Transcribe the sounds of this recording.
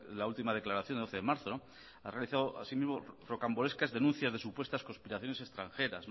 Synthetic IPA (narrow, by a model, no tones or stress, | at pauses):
lault̪imað̞e̞klaɾaθjond̪oθeðemaɾθo | a̰realiθaðoa̰simizmorokamboɾeskazðe̞nũn̟θjazðe̞supwest̪asko̞nspiɾaθjo̞ne̞se̞st̪ɾãŋxe̞ɾasn